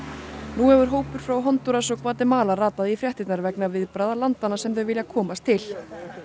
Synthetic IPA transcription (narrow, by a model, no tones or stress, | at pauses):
nuɛvʏɾ̥ɦoːwpʏɾ̥fɾawɦɔnt̪uɾasɔɣkvaːt̪ɪmaːlaraːt̪aðifɾjɛht̪ɪt̪naɾvɛknavɪðpɾaðalant̪anːasɛmθœvɪljakʰɔːmast̪ʰɪl